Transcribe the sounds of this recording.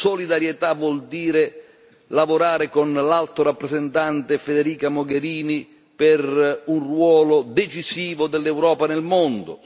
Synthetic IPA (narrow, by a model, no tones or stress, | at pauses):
solid̪aɾjet̪avwɔld̪iːɾɪ | lavoɾaːɾɪkonlalt̪ʊɾapːɾezɛnt̪ant̪ɪfed̪eɾiːkamʊɡeɾiːni | pɪrunrwɔːlʊd̪et͡ʃisiːvʊd̪ɛlːɛwɾɔːpanɛlmond̪ʊ̰